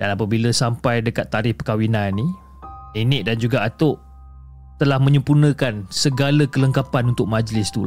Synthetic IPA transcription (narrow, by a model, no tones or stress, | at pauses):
d̥anapəbiləsampajdəkat̪ːaɾɪhpəkawinannːĩ | inɪʔdand͡ʒuɡaːt̪ʊʔ | t̪əlahmə̃ɲə̃mpunə̃kansəɡaləkələŋkapanunt̪ʊk̚mãd͡ʒlɪst̪ul